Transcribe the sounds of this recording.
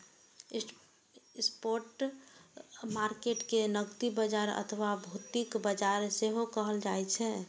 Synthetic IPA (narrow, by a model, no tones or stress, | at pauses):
spoɾʈ | maɾkeʈkenəɡt̪ibəd͡ʒaɾə̰t̪ʰəwabʱut̪ikbəd͡ʒaɾseɦokəɦəld͡ʒaɛt͡ʃʰɛ